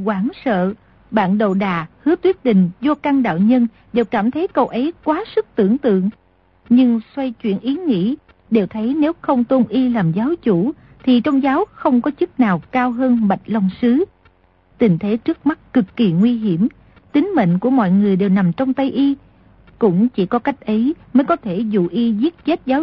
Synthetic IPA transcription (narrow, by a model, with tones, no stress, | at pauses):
kwaː˨˩nsə̰ː˧˨ | ɓa̰ː˧˨nɗo̰˧˨wɗaː˨˩hɨ˨˦ət̪wi˦˥ət̚ɗï˨˩ŋ̟zɔ˧ka˧ŋɗa̰ː˧˨wɲə˧n | ɗe˨˩wkaː˧˩mt̪ʰə˨˦jkə˧wʔə˨˦jkwaː˨˦sɨ˦˥k̚t̪ɨ˧˩əŋt̪ɨ̰˧˨əŋ | ɲɨ˧ŋswa˧jt͡ɕwḭ˧˩ənʔi˨˦ŋḭ˧˥ | ɗe˨˩wt̪ʰə˨˦jne˨˦wxə˧wŋ͡mt̪o˧nʔi˧laː˨˩mzaː˨˦wt͡ɕu˧˩ | t̪ʰi˨˩t͡ɕɔ˧wŋ͡mzaː˨˦wxə˧wŋ͡mkɔ˨˦t͡ɕɨ˦˥k̚naː˨˩wkaː˧wɦəː˧nɓa˨˩jt̟̚lɔ˧wŋ͡msɨ˨˦ | t̪ï˨˩ŋ̟t̪ʰe˨˦t͡ɕɨ˦˥ək̚ma˦˥t̚kɨ˨˩kːi˨˩ŋwi˧ɦi˧˩əm | t̪ï˨˦ŋ̟mḛ˧˨ŋ̟ku˧˩əmɔ̰˧˨jŋɨ˨˩əjɗe˨˩wna˨˩mt͡ɕɔ˧wŋ͡mt̪ə˧jʔi˧ | kʊ̰˧˥ŋ͡mt͡ɕi˧˩kɔ˨˦ka˦˥jk̟̚ʔə˨˦jməː˨˦jkɔ˨˦t̪ʰe˧˩zṵ˧˨ʔi˧zi˦˥t̚t͡ɕe˦˥t̚zaː˨˦